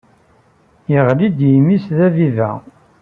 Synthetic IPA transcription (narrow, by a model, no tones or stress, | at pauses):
jəʁlid̪jimisðævivæ̰